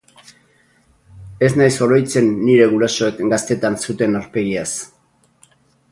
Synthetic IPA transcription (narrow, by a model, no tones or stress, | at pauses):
e̞znajso̞ɾo̞jt͡se̞nːiɾe̞ɣuɾaso̞ekɡast̪e̞t̪ansut̪e̞naɾpe̞ɣias